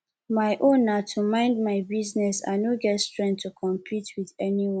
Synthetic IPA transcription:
maɪʔõnatʰumãɪ̃ndmaɪbiznɛsa̰noɡɛtstɹɛ̃ntʰːukʰɔ̃mpʰitʰwiðɛniwɔ̃n

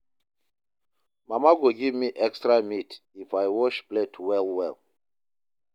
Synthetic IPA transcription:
mamaɡoɡivmiʔɛkstɹamitifajwɔʃbletʰwɛlwɛl

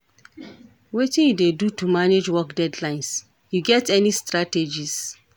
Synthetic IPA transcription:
wetĩnjudedutumaned͡ʒwɔkdɛdlãɪ̃ns | juɡɛtʰɛnistɹated͡ʒis

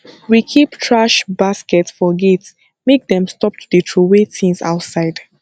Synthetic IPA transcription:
wikʰiptʰɹaʃbaskɛtfɔɡets | mek̚dɛ̃mstɔp̚tʰuditʰɹuwetĩnsa̰ʊtsaɪd̥

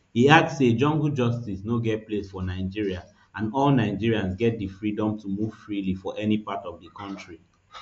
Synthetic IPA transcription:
hiak̚sed͡ʒɔ̃ŋɡud͡ʒɔstisnoɡɛt̚plesfɔnaɪd͡ʒiɹia | ãnɔlnaɪd͡ʒiɹiãnsɡɛt̚difɹidɔ̃mtumuv̥fɹilifɔʔɛnipatɔvdəkʰɔ̃ntɹi

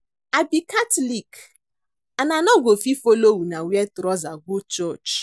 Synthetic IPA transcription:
abikatlik | ananɔɡʷofifolowunawiɛtɾɔzaɡut͡ʃɔt͡ʃ

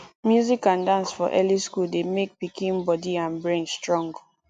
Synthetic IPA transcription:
mjuzikãndãnsfɔʔɛliskuldemek̚pikʰĩnbɔdiãnbɹẽnstɹɔ̃ŋɡ

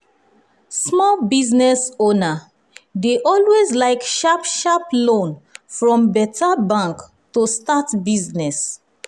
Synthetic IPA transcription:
smɔlbiznɛsona | deʔɔlwezlaɪkʃapʃaplõnfɹɔ̃mbɛtʰabãŋk | tostatbiznɛs

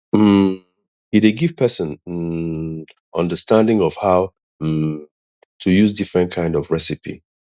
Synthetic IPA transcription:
m̩ | hideɡiv̥pʰɛsə̃n̩ | ʔʌ̃ndəstãndɪ̃ŋɔv̥haʊ | tʰujuzdifɹɛ̃ntkʰãɪ̃ndɔvɹɛsipḭ

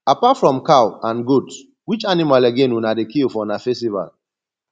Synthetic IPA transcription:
apatfɹɔ̃mkawãnɡuds | wit͡ʃanimalaɡẽnunadekilfɔnafɛstiva̰l

